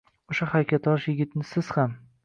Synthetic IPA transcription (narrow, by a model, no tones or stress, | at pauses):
oʃahaɾakʲat̪ɒʃjɪɡʲɪt̪nɪsɪz̥ham